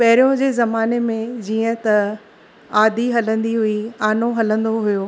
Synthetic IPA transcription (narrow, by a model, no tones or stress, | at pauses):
pɐɦɪɾijõd͡ʑeːzɐmaːnemẽd͡ʑiːə̃t̪ɐ | aːd̪ʱiɦɐlə̃nd̪iɦʊiaːnoɦɐlə̃nd̪oɦujoː